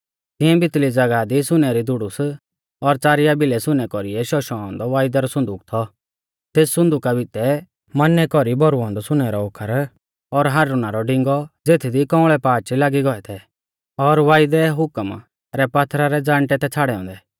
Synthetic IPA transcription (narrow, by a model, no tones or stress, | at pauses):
t̪ɪ̃ɛ̃bɪt̪lid͡zɐɡad̪isʊnɛɾid̪ʊɽʊs | ɔɾt͡saːɾɪjabɪlɛsʊnɛkɔɾiɛʃɔʃɔ̃ɔ̃nd̪ɔʋaːɪd̪ɛɾɔsʊ̃nd̪uːkt̪ʰɔ | t̪eːssːʊ̃nd̪uːkabɪt̪ɛ | mɐnːɛkɔɾibʱɔɾuɔ̃nd̪ɔsʊnɛɾɔokʰːəɾ | ɔɾɦaːɾunaɾɔɖɪ̃ŋɡɔd͡zeːt̪ʰid̪ikɔ̃ːɭɛpaːt͡ʃilaːɡiɡɔɛt̪ʰɛ | ɔɾʋaːjd̪ɛɦʊkəm | ɾɛpaːt̪ʰɾaɾɛd͡zãːɳʈɛt̪ɛt͡sʰaːɽɛɔ̃ːnd̪ɛ